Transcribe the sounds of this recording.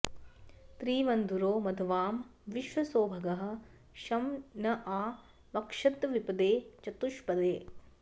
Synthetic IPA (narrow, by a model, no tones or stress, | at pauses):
t̪ɾiːʋɐnd̪ʱuɾoːmɐd̪ʱɐʋaːmʋiʃʋɐsoːbʱɐɡɐɦɐ̆ | ʃɐmnɐʔaː | ʋɐkʂɐt̪ʋipɐd̪eːt͡ʃɐt̪uʃpɐd̪eː